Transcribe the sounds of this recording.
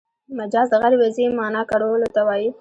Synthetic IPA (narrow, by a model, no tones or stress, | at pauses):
mad͡ʒɑzd̪əɣaɾewazimɑnɑkaɽolot̪awɑji